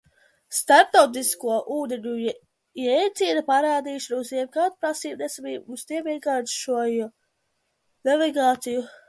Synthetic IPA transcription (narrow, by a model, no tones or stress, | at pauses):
st̪aɾp̚t̪awt̪̬iskuɔʔuːd̪eɲʲu | jɛjt̪siːnapaɾaːd̪iːʃnuziɛmkat̪pɾasiːb̚d̪ɛsamiust̪iɛpiɛɡaːt̪ʃuɔju | navɛɡaːt̪siju